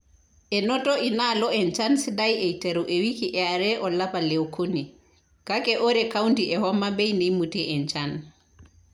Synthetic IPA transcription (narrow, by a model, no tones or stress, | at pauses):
ʔɛnɔtɔʔinalɔɛnt͡ʃansidajɛjtɛɾuʔɛwikiʔɛaɾɛʔɔlapalɛwkʰoni | kakɛʔɔɾɛkawntiʔɛhɔmːabɛjnijmutɛʔɛnt͡ʃan